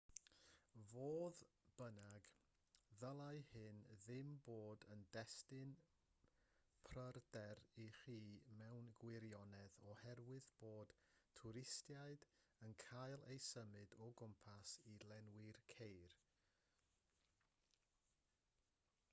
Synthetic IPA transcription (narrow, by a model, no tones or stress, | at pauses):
voːðb̥ənaɡ | ðəlˠajhɨnðɪmboːdəndɛstɨn | pʰrərdɛɾiχiːmɛwnɡwɪɾjɔnɛðɔhɛrwɨðb̥oːd̥tʰʊɾɪstjaɨdənkʰajlˠejsəmɨdɔɡʊmpʰasilɛnwɪrkʰejr